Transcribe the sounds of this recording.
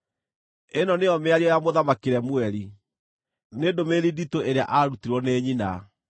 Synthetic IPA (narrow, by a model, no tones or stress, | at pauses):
enɔneɔmeaɾiɔjamoðamakeɾɛmwɛɾi | nedomeɾiditoeɾea̰ʔaɾutiɾwɔneːɲina